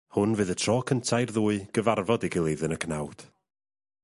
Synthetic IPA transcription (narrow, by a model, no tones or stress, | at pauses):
hʊnvɨːðətʰrɔːkʰəntʰajrðuːɨɡ̥əvarvɔdiɡɪlˠejðɨnəkʰnawd̥